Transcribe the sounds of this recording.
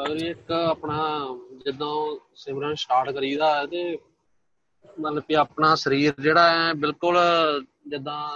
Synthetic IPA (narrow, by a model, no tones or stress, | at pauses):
əɾiːɪkəpnaːd͡ʒɪd̪õːsɪmɾãːsʈaːɾʈkəɾiːd̪aːɛːt̪eː | mət̪ləbkiːəpnaːsəɾiːɾd͡ʒeːɽaːɛːbɪlkʊl | d͡ʒɪd̪ãː